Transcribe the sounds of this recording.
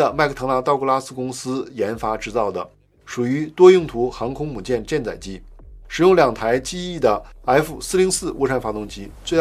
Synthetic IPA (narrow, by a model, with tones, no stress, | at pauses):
ə˨ma˥˩ɪkʰə˥˩tʰɤ˧˥ŋna˧˥t̪ɑ˥˧ʊku˥˧la˥sɹ̩˥˧kʊ˥ŋsɹ̩˥jɛ˧˥nfa˥ʈ͡ʂɻ̩˥˧t͡sɑ˥˩ʊd̪ə˩ | ʂu˨˩y˧˥t̪wɔ˥jʊ˥˩ŋt̪ʰu˧˥xɑ˧˥ŋkʰʊ˥ŋmu˨˩t͡ɕjɛ˥˧nt͡ɕjɛ˥˧nt͡sa˨˩ɪt͡ɕi˥ | ʂɻ̩˨˩jʊ˥˩ŋljɑ˨˩ŋt̪ʰa˧˥ɪt͡ɕi˥˧i˥˩d̪ə˩a˧˥ɪfu˨˩sɹ̩˥˧li˧˥ŋsɹ̩˥˧ʔɔ̰˥˧ʈ͡ʂʰa˥˩nfa˧˥t̪ʊ˥˩ŋt͡ɕi˧˥t͡swe˥˧ɪ